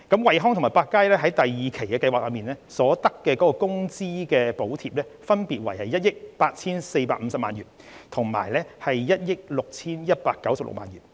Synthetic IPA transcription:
kɐ˨˥mwɐ˨jɦɔː˥ŋt̪ʰʊ˨˩maː˨˩jpaː˧kːaː˥jlɛː˥ɦɐ˨˥jt̪ɐ˨jjiː˨kʰe˨˩jkɛː˧kɐ˧jwa˨klɐː˨˧miː˨nɛː˥sɔː˨˥t̪ɐ˥kːɛː˧kɔ˨˥kɔː˧kʊ˥ŋt͡siː˥kɛː˧po˨˥wt̪ʰiː˧˨p̚lɛː˥fɐ˥npiː˨t̚wɐ˨˩jhɐ˨jɐ˥t̚jɪ˥k̚paː˧t̚t͡sʰiː˥nse˧jpaː˧k̚m̩˧sɐ˨p̚maː˨nɥyː˨˩n | t̪ʰʊ˨˩ŋma̰ː˨˩jlɛː˥hɐ˨jːɐ˥t̚jɪ˥k̚lʊ˨k̚t͡sʰiː˥njɐ˥t̚paː˧kːɐ˨˥wsɐ˨p̚lʊ̰˨k̚ma̰ː˨njyː˨˩n

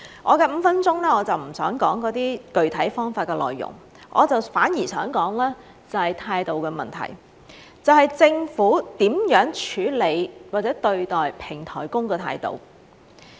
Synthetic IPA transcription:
ʔɔ̰ː˨˧kɛː˧m̩˨˧fɐ˥nt͡ʃʊ˥ŋlɛː˥ɔː˨˧t͡sɐ˨wm̩˨˩sœ̰ː˨˥ŋkɔː˨˥ŋkɔː˨˥t̪iː˥kɵ˨ɥt̪ʰɐ˨˥jfɔː˥ŋfaː˧tkɛː˧lɔ̰ː˨jːʊ̰˨˩ŋ | ʔɔ̰ː˨˧t͡sɐ˨wfaː˨˥njiː˨˩sœː˨˥ŋkɔː˨˥ŋlɛː˥ | t͡sɐ˨hɐ˨˩jt̪ʰaː˧jt̪o˨wkɛː˧mɐ˨nt̪ʰɐ̰˨˩j | t͡sɐ˨whɐ˨˩jt͡sɪ˧ŋfuː˨˥t̪iː˨˥mjœː˨˥ŋt͡ʃʰyː˨˧˥le˨˧jwaː˨t̚t͡sɛː˨˥t̪ɵ˧ɥt̪ɔː˨˩jpʰɪ˨˩ŋt̪ʰɔ̰ː˨˩jkʊ˥ŋkɛː˧t̪ʰa̰ː˧jt̪o̰˨˩w

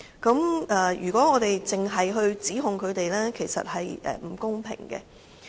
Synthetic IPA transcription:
kɐ˨˥mʔɛː˨˧jy̰ː˨˩kʷɔː˨˥ŋɔː˨˧t̪e˨jt͡sɪ˨ŋɦɐ˨jɦɵ˧ɥt͡siː˨˥ɦʊ˨ŋkʰɵ˨˧ɥt̪e˨jlɛː˥kʰe˨˩jsɐ̰˨t̚hɐ˨jʔɛ̰ː˨m̩˨˩kʊ˥ŋpʰɪ̰˨˩ŋkɛ̰˧

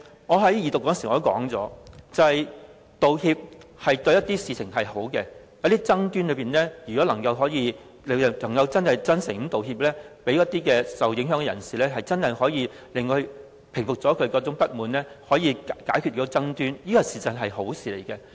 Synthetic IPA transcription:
ŋɔː˨˧ɦɐ˨˥jjiː˨t̪ʊ˨kːɔː˨˥nsi˨˧o˥kɔ̰ː˨˥ŋt͡sɔ̰ː˨˥t͡sɐ˨hɐ˨j | t̪o˨whi˧p̚hɐ˨jt̪ɵ˧ɥjɐ˥t̪̚iː˥siː˧t͡sʰɪ˨˩ŋɦɐ˨jho˨˥wkɛː˧jɐ˨˥wt̪iː˥t͡sɐ˥ŋt̪yː˥nlɵ˨˧piː˨nlɛː˥jy˨˩kɔː˨˥lɐ˨˩ŋkɐ˧wɦɔː˨˥jiː˨˧ | le˨˧˨lɐ˨˩ŋkɐ˧wt͡sɐ˥nhɐ˨jt͡sɐ˥nsɪ˨˩ŋ˨˥t̪o˨whi˧p̚lɛː˥pe˨˥jɐ˥t̪̚iː˥kɛː˧sɐ˨wjɪ˨˥ŋɦœː˨˥ŋkɛ˨jɐ̰˨˩nsiː˨lɛː˥ɦɐ˨jt͡sɐ˥nhɐ˨jhɔː˨˥jiː˨˧ | lɪ˨ŋː˧ɥ | pʰɪ˨˩ŋfʊ˨k̚t͡sɔː˨˥kʰɵ˨˧ɥkɔː˧˥t͡sʊ˨˧˥ŋpɐ˥t̚muː˨˧nlɛ˥hɔː˨˥jiː˨˧kaː˨˥jkʰy˨t̚kːɔ˥t͡sɐ˥ŋt̪yː˥njiː˥kɔ˧siː˨t͡sɐ˨˩nɦɐ˨jɦo˨˥wsiː˨˩lḛ˨˩jkɛ˧

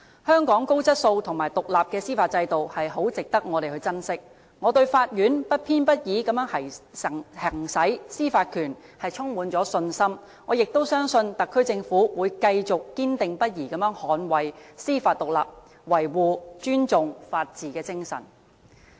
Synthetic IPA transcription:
hœː˥ŋkɔː˨˥ŋko˥wt͡sɐ˥t̚so˧wt̪ʰʊ˨˩ŋmaː˨˩jt̪ʊ˨k̚laː˨p̚kɛː˧siː˥faː˧t̚t͡sɐ˧jt̪o˨whɐ˨jɦo˨˥wt͡sɪ˨k̚t̪ɐ˥k̚ŋɔ˨˧ɾe˨jhɵ˧ɥt͡sɐ˥nsɪ˥k̚ | ŋɔː˨˧t̪ɵ˧ɥfaː˧t̚jyː˨˥npɐ˥t̚pʰiː˥npɐ˥t̚jiː˨˧˥kɐ˨˥mjœː˨˥ŋhɐ˨˩˨ | hɐ˨˩ŋsɐ˨˥jsiː˥faː˧t̚kʰyː˨˩n | hɐ˨jt͡ʃʰʊ˥ŋmuː˨˧nt͡sɔː˨˥sɵ˧nsɐ˥m | ŋɔː˨˧jɪ˨k̚t̪o˥wsœː˥ŋsɵ˧nt̪ɐ˨kʰːɵ˥ɥt͡sɪ˧ŋfuː˨˥wuː˨˧jkɐ˧jt͡sʊ˨kːiː˥nt̪ɪ˨ŋpɐ˥t̚jiː˨˩kɐ˨˧mjœː˨˥ŋhɔː˨˥nwɐ˨jsiː˥faː˧t̪ʊ˨k̚la̰ː˨p̚ | wɐ˨˩jwuː˨˩t͡ʃyː˥nt͡sʊ˨ŋfaː˧t̚t͡siː˨kɛː˧t͡sɪ˥ŋsɐ̰˨˩n

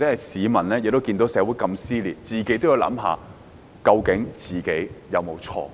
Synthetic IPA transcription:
t͡sɛ˨˥hɐ˨˩jsiː˨˧mɐ˨˩nlɛː˥jɪ˨k̚t̪o˥wkiː˧nt̪o˨˥wsɛː˨˧˥wuː˨˥jkɐ˧msiː˥liː˨˩t̚t͡siː˨ke˨˥t̪o˥wji˨˧wlɐ̰˨˥mɦa̰ː˨˧ | kɐ˧wkɪ˨˥ŋt͡siː˨ke˨˥jjɐ˨˧wmo˨˧wt͡sʰɔ̰ː˧

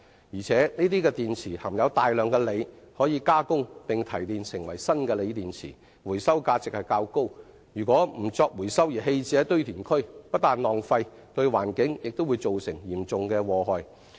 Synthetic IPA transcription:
jiː˨˩t͡sʰɛː˨˥niː˥t̪̬iː˥kɛ˧t̪iː˨nt͡sʰiː˨˩hɐ˨˩ŋjɐ˨˧wt̪aː˨jlœː˨ŋkɛː˧le˨˧j | hɔː˨˥jiː˨˧kaː˥kʊ˥ŋpɪ˨˩ŋt̪ʰɐ˨˩jt̪iː˨˧nsɪ˨ŋwɐ̰˨˩jsɐ˥nkɛː˧le˨˧jt̪iː˨nt͡sʰḭː˨˩ | wuː˨˩jsɐ˥wkaː˧t͡sɪ˨k̚hɐ˨jkaː˧wko˥w | jyː˨˩kʷɔː˨˥m̩˨˩t͡sɔː˧k̚wuː˨˩jsɐ˥wjiː˨˩ɦe˧jt͡sɛː˨˦˥t̪ɵ˥ɥt̪ʰiː˨˩nkʰɵ˥ɥpɐ˥t̪aː˨nlɔː˨ŋfɐ˧j | t̪ɵ˧ɥwa̰ː˨˩nkɪ˨˥ŋjɪ˨k̚t̪o˥wu˨˧jt͡so˨wsɪ˨˩ŋjiː˨˩mt͡sʊ˨ŋkɛː˧wɔː˨˩ɦɔː˨˧j

